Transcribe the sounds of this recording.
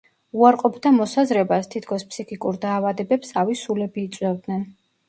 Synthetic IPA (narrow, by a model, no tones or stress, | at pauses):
uaɾqʼɔbd̪amɔsazɾɛbast̪ʰit̪ʰkʰɔspʰsikʰikʼuɾd̪aːvad̪ɛbɛpsavisulɛbiːt̪sʼwɛvd̪nɛn